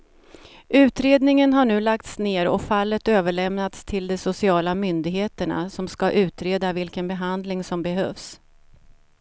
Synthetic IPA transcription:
ʔʉ̟ːt̪ɾeːd̪nɪŋənɦaɳʉ̟ːlak̚t̪sneːɾɔfalːət̪øːvəɭɛmnat̪st̪ʰɪld̪ɛsʊsɪɑːlamʏnd̪ɪɡɦeːt̪əɳa̰sɔmskaʔʉ̟ːt̪ɾeːd̪avɪlkənbɛɦand̪lɪŋsɔmbɛɦœfs

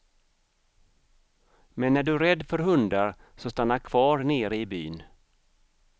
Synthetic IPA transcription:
mɛnːæɖɵɾɛd̪ːfœɾɦɵnd̪aɾ | sɔst̪anːaɾkʰv̥ɑːɾneːɾəɪby̰ːn

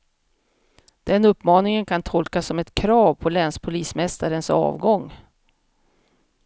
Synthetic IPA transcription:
d̪̥ɛnɵpːmɑːnɪŋənkʰant̪ʰɔlkasːɔmɛt̪kʰɾɑːvpʰɔlɛnspʰʊliːsmɛst̪aɾənsɑ̰ːvɡɔŋ

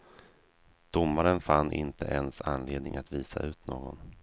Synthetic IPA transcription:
d̪̥ʊmːaɾənfanːʔɪnt̪ʰəʔɛnsanleːd̪nɪŋat̪viːsaʔʉ̟ːt̪noːɡɔ̰n

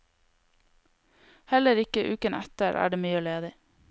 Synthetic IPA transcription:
hɛləɾɪkəʔʉːkənʔɛt̪əɾʔæ̰ːɖeːmyːəleːd̪ɪ

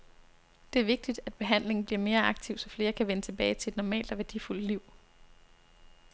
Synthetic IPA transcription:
d̥e̝æɐʋe̝ɡ̥̚d̥id̥æd̥̚b̥e̝ɦæn̰le̝ŋn̩b̥liɐme̝ːɐɑ̈ɡ̥̚t͡sʰiʊsɒ̽fle̝ːɐkʰæʋenət͡sʰe̝b̥ɛːɪt͡sʰe̝ed̥nɒmɛ̰ːld̥ɒʋæɐd̥iful̰d̥liʊ̰

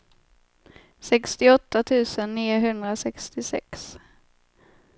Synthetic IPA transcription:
sɛkst̪ɪɔt̪ʰːat̪ʰʉ̟ːsənːiːʊɦɵnd̪ɾasɛkst̪ɪsɛ̰ks

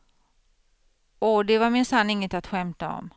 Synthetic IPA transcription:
oːd̪ɛvaɾmɪnsanːɪŋːət̪at̪ɧɛmt̪aɔ̰m

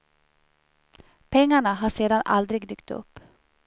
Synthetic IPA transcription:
pʰɛŋːaɳaɦaʂeːd̪anʔa̰ld̪ɾɪɡd̪yːkt̪ɵ̰pː

